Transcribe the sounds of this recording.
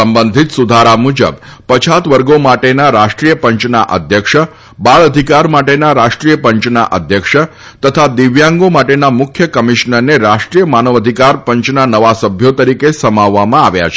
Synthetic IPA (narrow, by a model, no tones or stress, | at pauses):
səmbənd̪ʱit̪sud̪ʱaɾamud͡ʒə̰bpət͡ʃʰat̪ʋəɾɡomaʈenaɾaʃʈɾijəpəɲt͡ʃna̰ʔə̰d̪ʱjəkʂə | baɭəd̪ʱikaɾmaʈenaɾaʃʈɾijəpəɲt͡ʃna̰ʔə̰d̪ʱjəkʂə | t̪ət̪ʰad̪iʋjãŋɡomaʈenamʊkʰjəkəmiʃnəɾneɾaʃʈɾijəmanəʋəd̪ʱikaɾpəɲt͡ʃnanəʋasəbʱjot̪əɾikesəmaʋːamãaʋja̰t͡ʃʰe̥